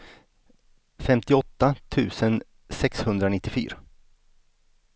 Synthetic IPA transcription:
fɛmt̪ɪɔt̪ːat̪ʰʉ̟ːsən | sɛkshɵnd̪ɾanɪt̪ːɪfy̰ːɾa

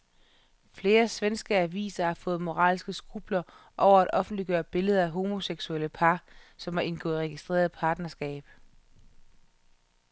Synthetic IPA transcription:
fle̝ːɐsʋensɡ̥əæʋḭːsɐhɑ̈fɔ̽ːð̞̩ˠmo̝ʁɑ̰̈ːlsɡ̥əsɡ̥ub̥lɐ | ʔɒʊɐæɾ̥ɒ̽fn̩d̥liɡ̥ɶːɐb̥e̝ləð̞ˠɐæɦo̝mo̝seɡ̥sueləpʰɑ̈sɒ̽mæɐʔe̝nɡ̥ɔ̰̽ːð̩ˠʁɛɡ̥isd̥ʁḛːɐð̩ˠpʰɑ̈ːd̥nɐsɡ̥ɛ̰ːb̥

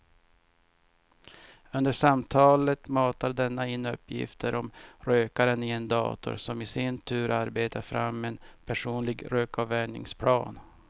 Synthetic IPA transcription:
ɵnd̪əʂamt̪ʰɑːlət̪mɑːt̪adɛnːaɪnːɵpːjɪ̰ft̪ʰəɾʔɔmɾøːkaɾənɪend̪ɑ̰ːt̪ʊ̰ɾsɔmɪsɪnt̪ʰʉ̟ːɾʔaɾbeːt̪afɾa̰mːenpʰæʂuːnlɪɡɾøːkɑvæɳɪ̰ŋspʰlɑ̰ːn

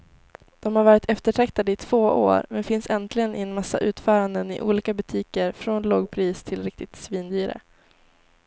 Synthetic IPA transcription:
d̪̥ɔmhaɾvɑːɾɪt̪ɛft̪əʈʰɛkt̪ad̪əɪt̪ʰv̥oːʔo̰ːɾmɛnfɪnsɛnt̪ʰlɪɡənʔɪɛnmasːa̰ʔʉ̟ːt̪fœːɾand̪ənɪ̰ʔuːliːkabɵt̪ʰiːkəɾfɾɔnlɔɡpʰɾiːst̪ʰɪlɾɪk̚t̪ɪt̪sviːnd̪yːɾə̰

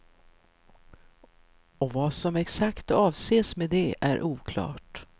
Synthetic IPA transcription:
ɔvɑsɔmɛksakt̪ɑːvseːsmeːd̪ɛʔæ̰ɾʔuːkʰlɑ̰ːʈ

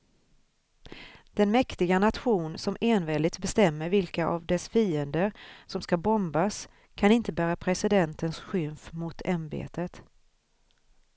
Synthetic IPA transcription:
d̪̥ɛnmɛkt̪ɪɡanat̪ɧuːnsɔmeːnvɛːlɪt̪bɛst̪ɛmːəɾvɪlkaʔa̰vd̪ɛsfiːənd̪əɾsɔmskabɔmbas | kʰanɪnt̪əbæːɾapʰɾɛsɪd̪ɛnt̪ənsɧʏmfmʊt̪ʰambḛːt̪ət̪

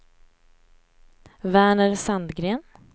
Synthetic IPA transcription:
væːɳəɾsand̪ɡɾeːn

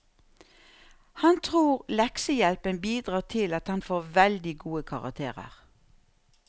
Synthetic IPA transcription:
hɑnt̪ʰʁuːʁlɛksəjɛlpənbiːd̪ʁɑːt̪ʰɪlɑt̪hɑnfoːʁʋɛld̪ɪɡuːəkʰɑʁɑ̰k̚t̪ʰḛːʁə̰ʁ

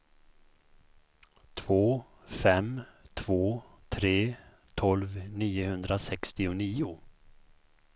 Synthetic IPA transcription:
t̪ʰvoː | fɛmt̪ʰv̥oː | t̪ʰɾeː | t̪ʰɔlvniːʊhɵnd̪ɾasɛkst̪ɪʊniːʊ

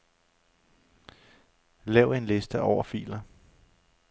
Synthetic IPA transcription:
lɛʊe̝nle̝sd̥əʔɒʊ̰ɐfḭːlɐ

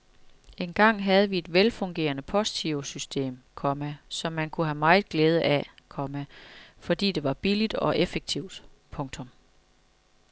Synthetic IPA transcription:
e̝nɡ̥ɑ̈ŋ̰ɦæð̞ˠəʋie̝d̥ʋelfɔ̽ŋɡ̥e̝̰ːɐnəpʰɒsit͡sʰiʊsysd̥e̝̰ːmkʰɒ̽mæsɒ̽mːænkʰuɦæmɑ̈ɪð̩ˠɡ̥leːð̞ˠəʔækʰɒ̽mæfɒ̽d̥ḭːd̥e̝ʋɑ̈b̥ilid̥ɒ̽ʔefeɡ̥̚t͡sʰiʊd̥pʰɔ̽ŋt͡sʰɔ̽m

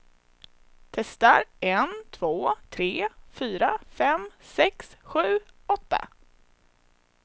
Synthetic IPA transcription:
t̪ʰɛst̪aɾɛnt̪ʰv̥oːt̪ʰɾeːfyːɾafɛmsɛksɧʉ̟ːɔt̪ːa̰

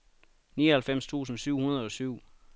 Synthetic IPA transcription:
nḭːɐhælfem̰st͡sʰṵːsn̩syʊ̰hunɐð̞̩ˠɒ̽syʊ̰

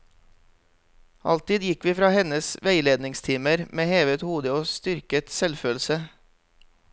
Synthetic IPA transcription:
ʔɑ̰lt̪ɪːd̪jɪkʋiːfɾɑːhɛnəsʋæɪleːd̪nɪŋst̪ʰiːməɾmeːheːʋət̪huːd̪əoːst̪ʏɾkət̪sɛlføːl̩sə

